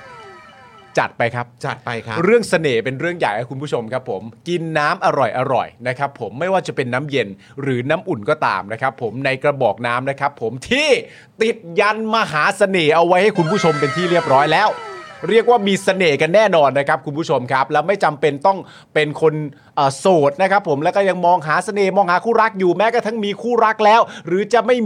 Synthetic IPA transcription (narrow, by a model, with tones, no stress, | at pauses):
t͡ɕa˨˩t̪̚pa˧jkʰa˦˥p̚t͡ɕa˨˩t̪̚a˧ɾɯ˥˩əŋsa˧neː˨˩pe˧nɾɯ˥˩əŋja̰˨˩jkʰa˦˥ku˧npʰuː˥˩t͡ɕʰo˧mkʰa˦˥pʰːo˩˦mki˧nːaː˦˥mʔa˧ɾɔ˨˩jʔa˧ɾɔ̰˨˩jna˦˥kʰa˦˥pʰːo˩˦mːa˥˩jwaː˥˩t͡ɕa˨˩pe˧nːaː˦˥mje˧n | ɾɯː˩˦naː˦˥mʔu˨˩nkɔː˥˩t̪a̰ː˧mna˦˥kʰa˦˥pʰːo˩˦mna˧jkɾa˧bɔː˨˩k̚naː˦˥mna˦˥kʰa˦˥pʰːo˩˦mt̪ʰiː˥˩ | t̪i˨˩t̪̚ja˧nmaː˧ɦaː˩˦sa˧neː˨˩ʔa˧wa˦˥jha˥˩jkʰu˧npʰuː˥˩t͡ɕʰo˧mpe˧nt̪ʰiː˥˩ɾi˥˩əp̚ɾɔː˦˥jlɛː˦˥wɾi˥˩ək̚waː˥˩miː˧sa˧neː˨˩ka˧nːɛː˥˩nɔː˧nːa˦˥kʰa˦˥p̚kʰu˧npʰuː˦˥˩t͡ɕʰo˧mkʰa˦˥p̚lɛː˦˥wma˥˩jt͡ɕa˧mpe˧nt̪ɔ˥˩ŋ | pe˧nkʰo˧n | ʔəː˨˩soː˨˩t̪̚na˦˥kʰa˦˥pʰːo˩˦mlɛ˦˥kɔː˥˩ja˧ŋmɔː˧ŋɦaː˩˦sa˧neː˨˩mɔː˧ŋhaː˩˦kʰuː˥˩ɾa˦˥k̚juː˨˩mɛː˦˥kaː˥˩t̪ʰa˦˥ŋmiː˧kʰuː˥˩ɾa˦˥k̚lɛː˦˥wɾɯː˩˦t͡ɕa˨˩ma˥˩j